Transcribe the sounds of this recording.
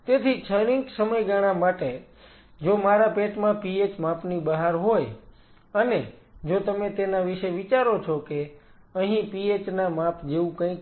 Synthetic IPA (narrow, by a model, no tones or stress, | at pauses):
t̪et̪ʰit͡ʃʰəɾĩŋksəməjɡaɽ̃amaʈe | d͡ʒomaɾapeʈmãpiet͡ʃmapnibəɦaɾɦoj | əne | d͡ʒot̪əmet̪enaʋiʃeʋit͡ʃaɾot͡ʃʰoke | əɦĩpiet͡ʃnamapd͡ʒeʋũkə̃ĩk